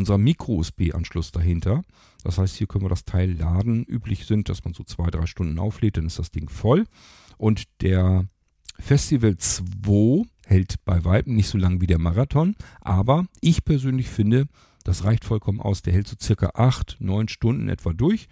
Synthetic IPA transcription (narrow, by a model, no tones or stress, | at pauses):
ʊnzɐmiːkʁ̥oɪsb̥ḛːʔa̰nʃlʊsd̥aɦɪntʰɐ | d̥ashaɪsthiːɐkʰœn̩viɐədastʰaɪlːaːdn̩ʔyːplɪçz̥ɪnt̚d̥asmanzoːt͡sv̥aɪdʁaɪʃtʊndn̩ʔa̰ʊfleːt̚d̥anɪstd̥asd̥ɪŋfɔl | ʔʊntd̥eːɐ | fɛstivəlt͡sv̥oː | hɛltb̥aɪvaɪtm̩nɪçtz̥oːlaŋviːdeːɐmaʁatʰɔnʔaːbɐʔɪçpʰɛɐzøːnlɪçfɪndə | d̥asʁaɪçtfɔlkʰɔmənʔa̰ʊsd̥eːɐhɛltz̥oːt͡sɪɐkɐ̰ʔaχtnɔʏnʃtʊndn̩ʔɛ̰tv̥aːdʊɐç